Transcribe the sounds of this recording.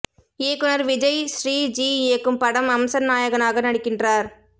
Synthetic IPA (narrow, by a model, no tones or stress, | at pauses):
eːkɯnɐɾʋɪd͡ʒɐjʃɾiːd͡ʒiːeːkːɯmpɐɽɐmɐmsɐnnaːjɐɣɐnaːɣɐnɐɽɪkːɪndraːɾ